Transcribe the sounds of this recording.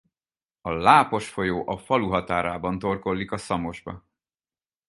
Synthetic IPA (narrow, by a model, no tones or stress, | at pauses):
ɒlaːpo̞ʃfo̞joːʔɒfɒluɦɒt̪aːɾaːbɒnt̪o̞rko̞lːikɒsɒmo̞ʒbɒ̰